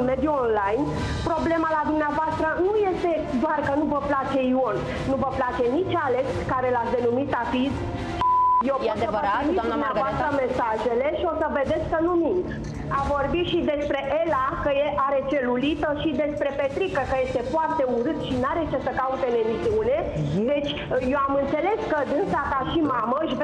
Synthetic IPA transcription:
me̞d̪juonlajn | pɾo̞ble̞malad̪umneavoast̪ɾənuje̞st̪e̞d̪oarkənuvəplat͡ʃe̞io̞nː | uvəplat͡ʃe̞nit͡ʃʲaleskaɾe̞lat̪sʲd̪e̞numit̪apid̪ | ʃijewpot̪səvəinid̪dumneavoast̪ɾəme̞saʒe̞le̞ʃio̞səve̞d̪e̞t̪sʲkənumind̪ | avo̞rbit̪ʃid̪e̞spɾe̞ʔelakəjeʔaɾe̞t͡ʃe̞lulit̪əʃid̪e̞spɾe̞pe̞t̪ɾikəkəje̞st̪e̞foart̪e̞uɾɨt̪ʃinaɾet͡ʃesəkaut̪e̞le̞viziune̞d̪e̞t͡ʃʲ | jewamɨnt̪se̞le̞skəd̪ɨnsakaʃimaməɨʃv

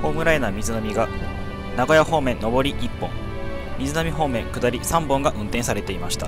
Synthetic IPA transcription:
ho̞ːmɯ̟ɾaenamʲizɨnamʲiɡa | naɡo̞jaho̞ːmẽ̞nːo̞bo̞ɾʲiʔipːõ̞ŋ | mʲizɨnamʲiɦo̞ːmẽ̞ŋkɯ̟d̪aɾʲisãmbõ̞ŋɡaʔɯ̟̃nt̪ẽsaɾe̞t̪e̞imaɕi̥t̪a

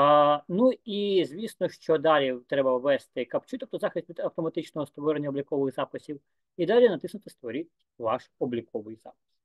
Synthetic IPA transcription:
nuizʲʋʲisnɔʃt͡ʃɔd̪ɑlʲit̪ɾɛbɐʋʋɛst̪ɪkɐpt͡ʃɪt̪ɔp̚t̪ɔzɑxɪsʲt̪ʲʋʲid̪ɐwt̪ɔmɐt̪ɪt͡ʃnɔɦɔst̪ʋɔɾenʲːɐɔblʲikɔʋɪɣzɑpɪsʲiw | id̪ɑlʲinɐt̪ɪsnʊt̪ɪst̪ʋɔɾʲɪtʲ | ʋɑʃɔblʲikɔʋɪjz̥ɑ̰pɪ̥s

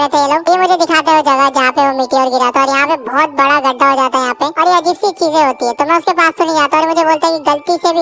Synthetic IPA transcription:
ɾɛt̪ʰẽeːloːɡjemʊd͡ʒʱed̪ɪkʰaːt̪eod͡ʒɐɡad͡ʒɐɦãpeʋomɪʈiɔːɾɡɪɾaːt̪aɔːɾjɐɦãpebɔːt̪̚bɐɽaɡɐɖʱːaɦod͡ʒaːt̪aɦɛjɐɦãpeɔːɾjeɐd͡ʒɪsikt͡ʃiːzẽɦoːt̪iɦɛ̃t̪omɛ̃ʊskepaːst̪ʊnĩd͡ʒaːt̪aɔːɾemʊd͡ʒʱeboːlt̪aɦɛkiɡɐlt̪isebʱi

